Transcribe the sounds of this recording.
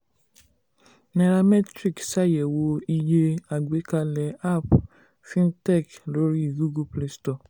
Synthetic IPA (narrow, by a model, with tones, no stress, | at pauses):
nɛ˨ɾa˧mɛ˦tɾi˦˨ksa˦˨jɛ˨wo˧i˧je˧a˨ɡe˨˦ka˧lɛ˨a˦˨p | fĩ˦ntɛ˦˨klo˦ɾi˦i˨ɡu˦ɡu˦ple˧stɔ˨